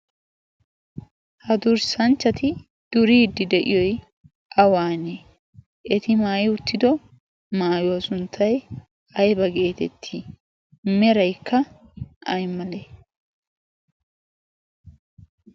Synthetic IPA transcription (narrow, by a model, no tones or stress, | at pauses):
hɐd̪ʊɾsɐnt͡ʃːɐt̪ɪ | d̪̥ʊɾiːd̪ɪd̪ɛʔɪ̰jɔj | ʔɐwaːne | ʔɛt̪ɪmaːjɪʊt̪ːɪd̪ɔ | maːjʊwɐsʊnt̪ʰːɐj | ɐjbɐɡe̞ːt̪ɛ̰t̪ʰːɪ | mɛɾɐjkʰːɐ | ʔɐjmɐleː